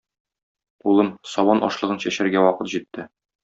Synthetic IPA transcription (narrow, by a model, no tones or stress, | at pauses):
ulˠɤmsɒwɑnʔɒ̰ʃlˠɤ̆ʁɤnɕæɕæɾɡæwɒqɤt̪ʑit̪ːɘ